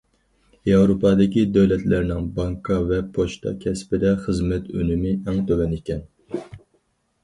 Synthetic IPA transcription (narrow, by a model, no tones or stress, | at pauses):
jɑwɾopʰɑd̪ɪkʲid̪ɛwlɛt̪læɾnɪŋbɑŋkʰɑvɛpʰoʃt̪ʰɑ̰kʲʰɛspɪd̪ɛχəzmɛt̪ʰø̰nymɪɛŋt̪ʰøwɛnikʲɛn